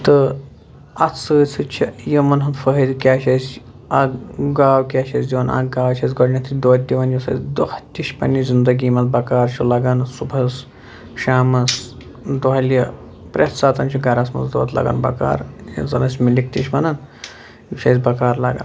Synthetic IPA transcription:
t̪ɨ | ɐt͡sɨːt͡sʰɨt͡ʃʰijɐmɐnɦɐnfəɦid̪kʲaːʃɐsʲ | ɐɡaːwkʲaːʃɐsʲd̪iʋɐna̰ɡɡaːwt͡ʃʰɐsʲɡɔɽnʲɐt̪ʰid̪oːt̪̚ʲd̪iʋɐnjɐsɐ̰sʲd̪oht̪ʲiʃpɐ̰nːizʲind̪ɐɡiːmɐzbɐkaːɾt͡ʃʰulɐɡɐnsubʱɐs | ʃaːmɐs | d̪oɦɐljɐ | pɾʲet̪saːt̪ɐnt͡ʃʰiɡɐɾasmɐ̰zd̪oːt̪lɐ̰ɡɐ̰nbɐ̰ka̰ːɾj̰zɐnɐsʲmilʲikt̪ʲiʃʲmɐnɐn | uʃʰʲɐsʲbɐkaːɾlɐɡa̰n

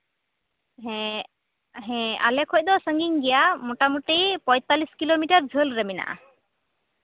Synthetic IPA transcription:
ɦɛ | ɦɛ̃a̰lɛkʰɔc̚ˀd̪ɔsəŋɡiŋɡɛjamɔʈamuʈipɔ̃jt̪aliskilomiʈəɾd͡ʒʱəlɾəmina̰ʔa̰

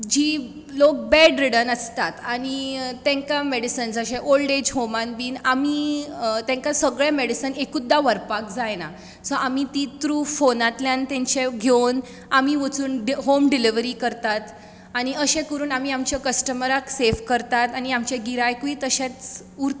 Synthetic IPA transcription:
d͡ʑiː | lok̚bɛɖɾiɽənəst̪at̪aɽ̃it̪ɛ̃ŋkameɽisənd͡zəɕẽʔolɖed͡ʑɦomãnbiːnamit̪ɛ̃ŋkasəɡɭãmeɽisənekud̪ːaʋəɾpakd͡zajna̰ | səʔamit̪it̪ɾuːfonat̪ljant̪ẽɲt͡ɕeɡʱen | amiʋət͡suːnɖɦomɖiliʋɾiːkəɾt̪at̪ | aɽ̃iəɕẽkəɾuːnamiːamt͡ɕjakəsʈəməɾaksefkəɾt̪at̪añiamt͡ɕẽɡiɾajkuiːt̪əɕẽt͡s | uɾt̪

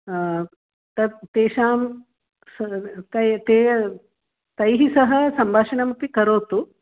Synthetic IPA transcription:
t̪ɐt̪eːʃaːm | st̪ɐt̪eː | t̪ɐjɦisɐɦɐsɐmbʱaːʂɐɳɐmɐpːikɐɾoːt̪u

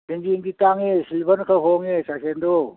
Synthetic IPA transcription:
eŋd͡ʒiŋditaŋesilbɐnkʰaɦɔŋesasendo

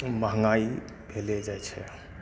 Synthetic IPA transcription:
məɦŋɡai | bʱelɛd͡ʒajt͡ʃʰɛ

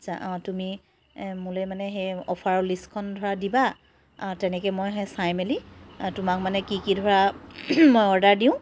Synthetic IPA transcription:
asʰaʔtumi | mulemanɛxejɔpʰaɹɔliskʰɔndʱɔɹadiba̰ | tɛnɛkɛmɔjɦɛsajmelitumak̚manɛkikidʱɔɹa | mojɔɹdaɹdiʊ̃

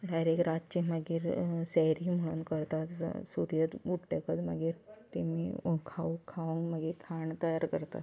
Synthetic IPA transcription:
ɖajɾekɾad͡zt͡ɕiməɡiːɾsɛjɾim̤əɭ̃uːnkəɾt̪at̪suɾjət̪uʈʈekət͡sməɡiːɾt̪imikʰaʋukʰaʋəŋɡməɡiːkʰaɳt̪əjaɾkəɾt̪a̰t̪

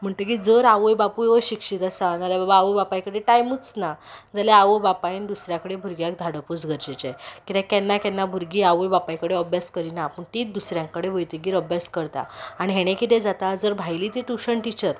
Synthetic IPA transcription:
m̤əɳʈ̪ək̬id͡zəɾaʋəjbapueʋəɕikʂit̪asad͡zaljababaːʋəbapajkəɽeʈajmut͡snad͡zaljaaʋəbapajnd̪usɾjakəɽebʱuɾɡjak̚d̪ʱaɽəpuːt͡sɡʱəɾd͡ʑet͡ɕekit̪akɛnːakɛnːabʱuɾɡiaʋəjbapajkəɽeəbʱjaskəɾinapəɳʈ̪iːd̪usɾjãŋkəɽeʋəjt̪iɡiːɾəbʱjaskəɾt̪a̰aɽiɦɛɽ̃ẽkit̪ed͡zat̪ad͡zəɾbʱajliːt̪iʈuɕəɳʈit͡ɕəɾ

